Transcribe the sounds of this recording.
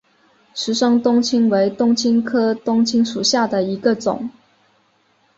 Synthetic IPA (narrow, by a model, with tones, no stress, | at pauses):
ʂɻ̩˧˥ʂɑ˥ŋt̪ʊ˥ŋt͡ɕʰi˥ŋwe˧˥ɪt̪ʊ˥ŋt͡ɕʰi˥nkʰɤ˥t̪ʊ˥ŋt͡ɕʰi˥ŋʂu˨˩ɕja˥˩d̪ə˩i˧˥ɡə˧t͡sʊ̰˨˩˦ŋ